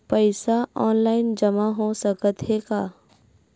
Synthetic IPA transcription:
pəɪsaɔːnlaːɪnd͡ʒɐmaɦosəkət̪ɦeɡaː

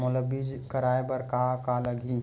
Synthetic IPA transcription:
mʊləbɪd͡ʒkɐɾaːebɐɾkakalɐɡi

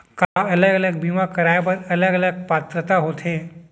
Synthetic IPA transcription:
kaələɡələɡ̚bimakəɾajpəɾələɡələɡ̚pat̪ɾət̪aɦot̪ʰẽ

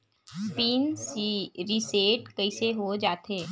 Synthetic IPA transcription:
spiːnsiɾiseːʈkɐiseɦod͡ʒaːt̪eː

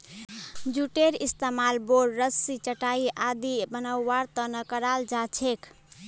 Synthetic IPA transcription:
d͡ʒuʈeɾist̪amalboɾːəsit͡ʃəʈaiʔad̪ibənawːaɾt̪ənəkəɾald͡ʒat͡ʃʰek

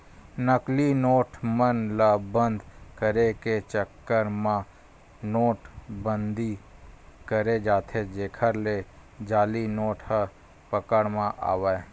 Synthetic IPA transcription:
nəklinoːʈmənlabə̃nd̪ʱkəɾeket͡ʃəkːəɾmã | noːʈbə̃nd̪ʱi | kəɾed͡ʒaːt̪ʰed͡ʒeːkʰəɾle | d͡ʒaːlinoːʈʰhə | pəkəɽmãʔa̰ːʋə

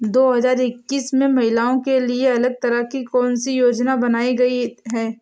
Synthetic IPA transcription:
d̪oːɦɐzaːɾɪkːiːsmẽmɐɦɪlaːõkelieɐləɡ̚t̪ɐɾəɦkikɔːnsijoːd͡ʒnabɐnaːiɡɐiɦɛː

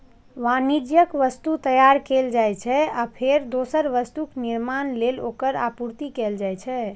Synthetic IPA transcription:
ʋanid͡ʒjəkʋəst̪ut̪əjaɾkeld͡ʒajt͡ʃʰɛapʰeɾd̪osəɾʋəst̪ukniɾmanlelo̰kəɾa̰puɾt̪ikeld͡ʒajt͡ʃʰɛ

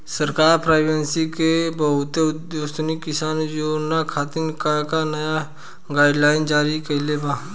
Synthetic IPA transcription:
sɐɾkaːɾpɾaːɪbẽnsikebɐɦʊt̪eʊd̪djost̪nikːɪsaːnjoːnakʰaːt̪ɪnkakanɐja | ɡaːɪɖlaːɪnd͡ʒaːɾikɐlebaː

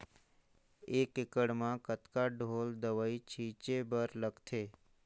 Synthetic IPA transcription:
ekɪkəɽmãkət̪kaɖʱold̪əʋait͡ʃʰit͡ʃebəɾləɡt̪ʰe

